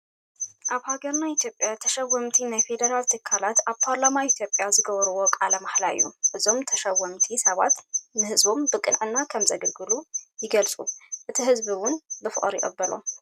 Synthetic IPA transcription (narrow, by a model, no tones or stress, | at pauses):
ʔaβhaɡɐɾnait̪ʰjopʼjat̪ʰɐʃɐwːɐmt̪ʰinajfe̞d̪ɐɾalt̪ʰɨkʰːalat̪aβpʰaɾlamait̪ʰjo̞pʼːjazɨɡɐβɐɾɨwo̞kʼalɐmaħlaɨ̰jːuʔɨzo̞mt̪ʰɐʃɐwːɐmt̪ʰisɐβat̪nɨhɨzbo̞mbɨkʼɨ̰nʕɨnːakʰɐmzɐɡɐlɡɨlujɪɡɐlt͡sʼuʔɨt̪ʰiɦɨzbiwʊnbɨfɨ̰χʼɾḭʔʼɐ̰bːɐlo̰m